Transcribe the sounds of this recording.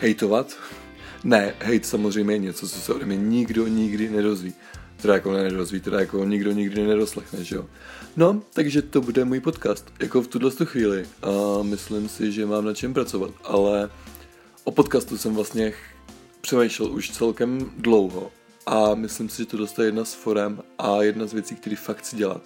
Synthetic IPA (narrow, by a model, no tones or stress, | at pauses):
hɛjt̪ovat̪ | nɛɦɛjt̪samozr̝ɛjmɲɛjɛɲɛt͡sot͡sosɛʔodɛmɲɛɲɪɡdoɲɪɡdɪnɛdo̞zviː | t̪ɛɾajakonɛnɛdozviːt̪ɛdajakoɲɪɡdo̞ɲɪɡdɪnɛnɛɾoslɛxnɛʒɛjo̰no̞t̪aɡʒɛt̪o̞budɛmuːjpo̞t̪kaːst̪jako̞ft̪udlɛst̪uxviːlɪmɪslɪmsɪʒɛmaːmnat͡ʃɛmpɾat͡so̞va̰t̪ʔalɛ | ʔopo̞t̪̚kaːst̪usɛmvlast̪ɲɛ | pr̝̥ɛmɛjʃlɛlʔuʃt͡sɛlkɛmdlo̞wɦo̞ | ʔamɪslɪmsɪʒɛt̪odlɛst̪ajɛjɛdnasfo̞ɾɛmʔajɛdnazvjɛt͡siːk̚t̪ɛɾiːfakt̪t͡sɪɟɛla̰t̪̚